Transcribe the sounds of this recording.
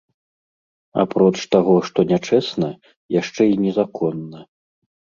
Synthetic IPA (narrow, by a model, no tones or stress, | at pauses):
a̰pɾɔt͡ʂt̪aɣɔʂt̪ɔnʲat͡ʂɛsnɐ | jaʂt͡ʂɛinʲɛzakʰɔnːɐ